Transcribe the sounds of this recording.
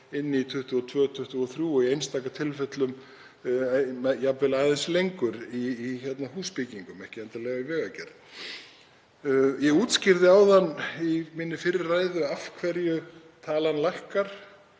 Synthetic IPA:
ɪnːɪit̪ʰʏht̪ʏɔt̪ʰvœːt̪ʰʏht̪ʏɔθɾjuːɔɣiejnst̪aːkat̪ʰɪlfɛt̪lʏm | mɛjapvɪlaːðɛnslejŋkʏɾiːçɛt̪naɦuːspɪciŋkʏmɛhcɪɛnt̪alɛːɣvaivɛːɣacɛɾt̪ | jɛɣuːt̪scɪɾðɪaːwðanːimɪnːɪfɪɾɪrːaːjðʏafkʰvɛɾjʏ | t̪ʰaːlanlajhkaɾ̥

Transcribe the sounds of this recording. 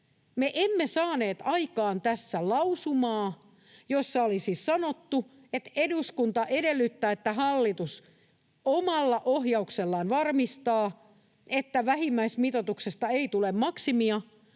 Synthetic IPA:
meʔemːesɑːne̞ːt̪ɑikɑːnt̪æsːælɑusumɑː | josːɑolisissɑnot̪ːu | et̪eduskunt̪ɑʔedelːyt̪ːæːet̪ːæɦɑlːit̪us | omɑlːɑʔoɦjɑukselːɑːnʋɑrmist̪ɑː | et̪ːæʋæhimːæismit̪ot̪uksest̪ɑeit̪ulemmɑksimiɑ

